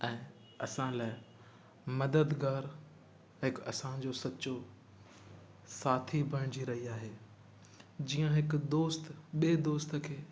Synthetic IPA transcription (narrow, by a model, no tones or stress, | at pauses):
ɛ̃ː | ɐsãlaːɪ | mɐd̪əd̪ɡaːɾ | ɦɪkɐsãd͡ʑosɐːɕo | saːt̪ʰibʱɐɽ̃d͡ʑiɾɐɦiaːɦeː | d͡ʑiːə̃ɦɪkd̪oːst̪ɓeːd̪oːst̪kʰeː